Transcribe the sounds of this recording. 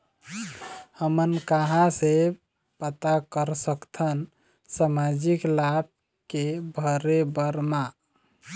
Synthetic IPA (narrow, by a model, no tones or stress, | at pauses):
həmənkaɦãse | pət̪akəɾsəkt̪ʰən | samad͡ʒiklab̚ | kebʱəɾebəɾma